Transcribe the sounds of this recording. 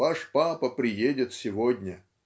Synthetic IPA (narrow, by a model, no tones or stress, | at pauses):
aʂpapəpɾʲɪjedʲɪt̪sʲɪvodʲnʲə